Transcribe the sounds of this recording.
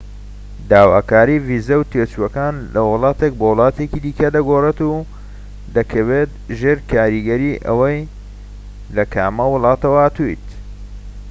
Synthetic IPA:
d̪aːwaːkaːɾiviːzɐwt̪ʰet͡ʃuɐkaːnlɐwɨlˠɑːt̪ek̚bowʊlˠɑːt̪ekiːd̪iːkɐd̪ɐɡoret̪u | d̪ɐkʰɐwet̪ʒeːɾkʰaːɾiɡɐɾiːʔɐ̰wɐj | lɐkʰaːmɐwʊlˠɑːt̪ɐwɐat̪ujt̪

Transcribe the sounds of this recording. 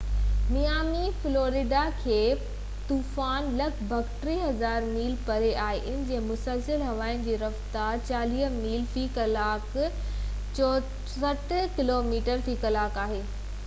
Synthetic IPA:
mijaːmifloːɾɪɖakʰeː | t̪uːfaːnlɐkbʱɐkʈɾiɦɐzaːɾmiːlpɐɾeʔaːɦeʔɪnɪ̆d͡ʑeːmʊsəlsəlɦɐʋaːɪnɪ̆d͡ʑiːɾɐft̪aːɾt͡ɕaːliːmiːlfiːkɐlaːk | t͡ɕɔ | sɐʈkɪloːmiːʈəɾfiːkɐlaːkaːɦeː

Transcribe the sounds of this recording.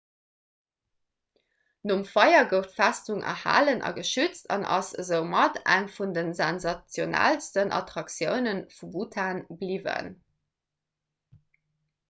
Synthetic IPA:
nomfɑjɐɡəʊftfæstuŋʔɐ̰ha̰ːlənʔɑ̰ɡəʃyt͡stʰɑ̰nʔɑ̰səzəʊmɑtæŋfundənzænzɑt͡sjonæ̰lstənʔɑ̰tʁɑksjəʊnənfubutʰaːnblivə̰n

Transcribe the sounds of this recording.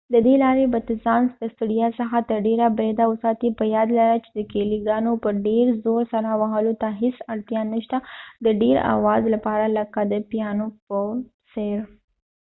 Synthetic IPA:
d̪əd̪elɑɾebat̪izɑnsd̪əst̪uɽijasəxat̪əɾɖeɾabɾed̪awʊsɑt̪ipəjɑd̪laɾat͡ʃe̥d̪əkeliɡɑnopəɖeɾzoɾsaɾawaɦəlot̪aɦesaɾt̪jɑnːəʃt̪ad̪əɖeɾa̰wɑzlapɑɾaləkad̪əpijɑnopə | seɾ

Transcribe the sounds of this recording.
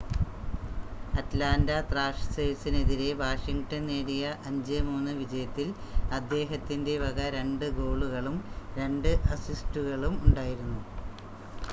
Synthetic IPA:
ɐtlaːndɐt̪raːʂsejsine̞ðiɾe̞ʋaːʂiŋɡʈɐne̞ːɽijɐʔɐɲd͡ʑemuːnːɨʋid͡ʑɐjɐt̪ːil | ɐd̪ːe̞ːɦɐt̪ːinde̞ʋɐɣɐɾe̞ɳɖɨɡo̞ːɭuɣɐɭumɾe̞ɳɖɨʔɐsistuɣɐɭumuɳɖaːjiɾunːu

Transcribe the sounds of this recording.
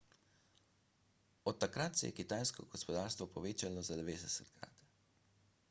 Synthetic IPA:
ɔt̪ːakɾat̪sɛ̰jɛ̰kit̪ajskɔɡɔspɔd̪aːɾst̪ʋɔpɔʋeːt͡ʃalɔzad̪ɛʋeːd̪ɛsɛt̪kɾa̰t̪

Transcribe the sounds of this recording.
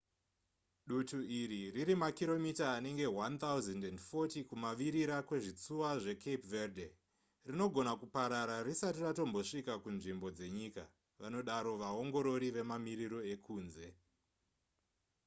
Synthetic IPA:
ɗutuiɾiriɾimakiɾo̞mitaːne̞ŋɡe̞want̪ʰauzendendfo̞tikumaʋiɾiɾakwe̞ʐit͡suwaʐe̞kʰepverde | rino̞ɡʱo̞nakupaɾaɾarisatirato̞mbo̞ʂikakunʐimbo̞d͡ze̞ɲika | ʋano̞ɗaɾo̞ʋao̞ŋɡo̞ɾo̞ɾiʋe̞mamiɾiɾo̞e̞kʰuːnze̞

